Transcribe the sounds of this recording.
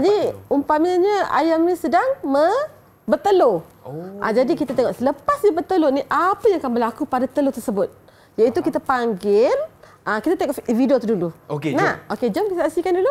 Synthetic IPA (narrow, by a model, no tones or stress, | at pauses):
adiumpaməɲəa̰jamɲisədaŋmə | bət̪əlo | ʔa̰d͡ʒadikit̪at̪eŋɔʔsələpasɲabət̪əloniʔapəjãŋakanbəlakupadat̪əlot̪ərsəbʊt̪̚ | jait̪ukit̪apaŋɡɪl | əkit̪at̪eŋɔʔfifidiot̪uduluokenaoked͡ʒɔmkit̪asasikandulu